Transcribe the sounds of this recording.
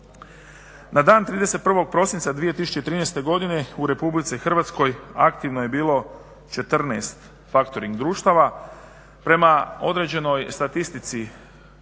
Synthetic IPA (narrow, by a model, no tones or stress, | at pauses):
nad̪aːnt̪ɾiːd̪e̞se̞t̪̚pr̩ʋo̞ɡ̚pɾo̞sinsad̪ʋije̞t̪isu̥t͡ʃet̪ɾiːnest̪e̞ɡo̞d̪ine̞uɾe̞publit̪sixr̩ʋat̪sko̞ja̰kt̪iʋnoje̞biːlo̞ | t͡ʃe̞t̪r̩nḛst̪ | fakt̪o̞ɾiŋɡd̪ɾuːʃt̪aʋa | pɾe̞mao̞d̪ɾe̞d͡ʑe̞no̞jst̪at̪ist̪it̪si